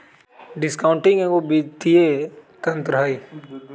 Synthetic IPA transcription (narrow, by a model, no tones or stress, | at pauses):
ɖɪskaʊ̃ɳʈɪ̃ŋɡɛ̃ɡobit̪iet̪ɐ̃nt̪ɾɦai